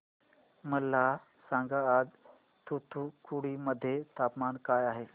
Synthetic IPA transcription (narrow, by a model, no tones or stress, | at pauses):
məlːa | sãːŋɡaaːd͡ʒ | t̪ut̪ʰukʰuɽiməd̪ʱːjet̪aːpmaːnkaːjaːɦe